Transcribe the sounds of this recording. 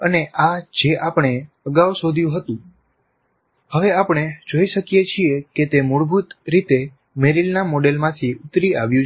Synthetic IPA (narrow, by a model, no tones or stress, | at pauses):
əneʔad͡ʒeʔapɳ̃e | əɡaʋsod̪ʱjũɦət̪ũ | həʋeapɳ̃ed͡ʒoiʃəkjet͡ʃʰieket̪emuɭbʱut̪ɾit̪e | meɾilnamoɖelmãt̪ʰiʊt̪ɾia̰ʋjũ